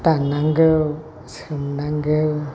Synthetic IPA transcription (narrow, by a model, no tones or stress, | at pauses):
t̪anaŋɡəw | səmnaŋɡəw